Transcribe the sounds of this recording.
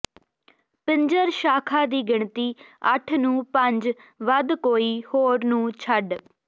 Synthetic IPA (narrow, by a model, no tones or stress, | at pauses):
pɪɲd͡ʒəɾʃaːkʰaːd̪iːɡɪɳt̪iːəʈʰnũːpəɲd͡ʒʋəd̪koːiːhoːɾnũːt͡ʃʰəɖ